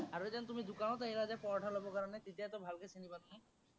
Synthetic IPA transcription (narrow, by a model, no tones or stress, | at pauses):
aɾued͡ʒant̪umid̪ukanɔt̪aɦiɾad͡ʒapɔɾʈʰalɔbɔkaɾɔnet̪it̪ijat̪ɔbʱalkesʰinibat̪uni